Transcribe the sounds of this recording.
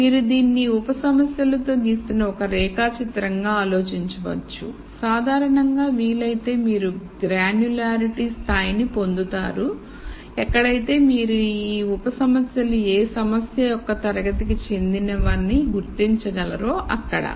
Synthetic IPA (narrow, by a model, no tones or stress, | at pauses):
miːɾud̪iːnːiupɐsɐmɐsjɐlɐt̪o̞ːɡ̪iːst̪unɐɔkɐɾɛːkaːt͡ʃit̪ɾɐŋɡaːaːlo̞ːt͡ʃiɲt͡ʃɐʋɐ̰t͡ʃːṵ | saːd̪ʱaːɾɐɳɐŋɡaːʋiːlɐjt̪e̞ːmiːɾuɡɾaːnjulaːɾiʈist̪ʰaːjnipo̞nd̪ut̪aːɾu | ɛkːɐɽɐjt̪e̞ːmiːɾuiːupɐsɐmɐsjɐlueːsɐmɐsjɐjɔkːɐt̪ɐɾɐɡɐt̪ikit͡ʃe̞nd̪inɐʋaːnːiɡuɾt̪iɲt͡ʃɐɡɐlɐɾoːʔɐ̰kːɐɽɐ̰